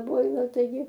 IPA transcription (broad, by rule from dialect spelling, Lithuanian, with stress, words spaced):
ˈboːɪlˠɐ tɐɪˈɡʲɪ